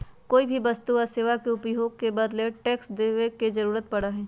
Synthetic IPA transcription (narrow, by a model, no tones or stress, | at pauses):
koːibʱibɐst̪uɔɾseːʋakeʊpjoɡ̚kebɐd̪leʈɛːksd̪eʋekezɐɾuːɾət̪̚pɐɽaɦɛː